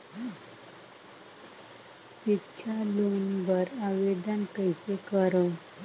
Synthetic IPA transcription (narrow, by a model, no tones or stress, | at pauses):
it͡ɕʰalonbəɾaʋed̪ankəjsekəɾo